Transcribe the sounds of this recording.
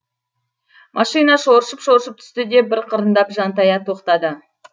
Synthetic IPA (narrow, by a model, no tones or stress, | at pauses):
mʔɑʃijnɑʃo̞ɾʃəpʃoɾʃəp̚t̪ʰʏ̥st̪ɪd̪e̞bɪɾqʰəɾənd̪ɑpʒɑnt̪ɑjɑt̪ʰo̞qt̪ɑd̪ə